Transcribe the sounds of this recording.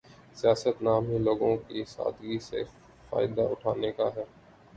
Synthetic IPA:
sijaːsət̪naːmiloːɡõkisa̰ːd̪ɡisḛ | fa̰ːɪd̪aʔʊʈʰaːnekaɦɛː

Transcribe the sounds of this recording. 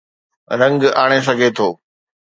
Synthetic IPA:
ɾɐ̃ŋɡaːɽ̃es̬ɐɡʱet̪ʰoː

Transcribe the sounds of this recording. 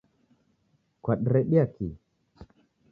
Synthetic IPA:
kwaɗɾɛɗiaki

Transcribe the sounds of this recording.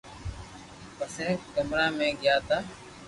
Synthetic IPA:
pəsẽːkəmɾaːmẽːɠɪjaːt̪aː

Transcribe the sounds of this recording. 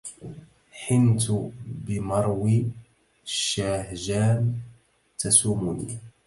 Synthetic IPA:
ħɪnt̪ʊbɪmɑɾˤwi | ʃːaːhʒaːn | t̪asuːmʊnḭː

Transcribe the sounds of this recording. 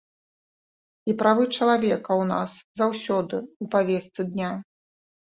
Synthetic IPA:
ipɾavɨt͡ʂɐlˠavʲɛkɐwna̰szawsʲɔd̪ɨupavʲɛst̪sɨd̪nʲa

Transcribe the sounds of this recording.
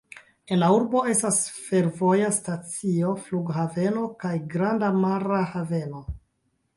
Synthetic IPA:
e̞nlauɾbo̞e̞stasfe̞ɾvo̞jastat͡sio̞fluɡɦave̞no̞kajɡɾandamaɾahave̞no̞

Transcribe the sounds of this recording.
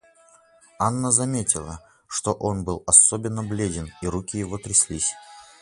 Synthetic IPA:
anːəzɐmʲetʲɪlˠə̰ | ʂt̪o̞ʔo̞nbɨlˠɐsobʲɪnːəblʲedʲɪniɾukʲɪjɪvot̪ɾʲɪsʲlʲisʲ

